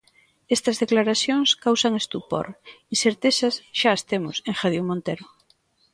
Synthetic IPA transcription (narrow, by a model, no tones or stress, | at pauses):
est̪ɐzðeklaɾaθjoŋskawsaŋest̪upo̰ɾinseɾt̪esɐsʃaest̪emʊseŋxaðiwmõnt̪eɾʊ